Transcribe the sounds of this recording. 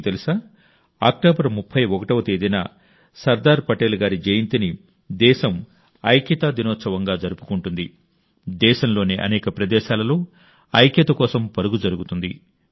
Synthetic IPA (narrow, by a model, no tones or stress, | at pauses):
t̪elisaː | a̰ːk̚ʈoːbɐɾmupʰːɐjɔkɐʈɐʋɐt̪eːd̪ɐjna̰ː | sɐɾd̪aːɾpɐʈeːlɡaːɾid͡ʒejint̪ini | d̪ɛːʃɐm | ɐjkjɐt̪aːd̪inɔːt̪sɐʋɐŋɡaːd͡ʒɐɾupu̥kuɳʈund̪i | d̪ɛːʃɐmlo̞ːneːʔɐ̰nɛːkɐpɾɐd̪ɛːʃaːlɐlo̞ː | ɐjkjɐt̪ɐkɔːsɐmpɐɾuɡud͡ʒɐɾuɡut̪und̪ḭ